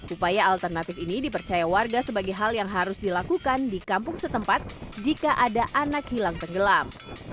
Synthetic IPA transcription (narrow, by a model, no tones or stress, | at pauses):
ʔupajaːlt̪ərnat̪ɪfinidipərt͡ʃajawarɡasəbaɡajɦaljaŋɦaɾʊsdilakukandikampʊŋsət̪əmpat̪̚d͡ʒikaʔadaʔanakhilaŋt̪əŋɡəlam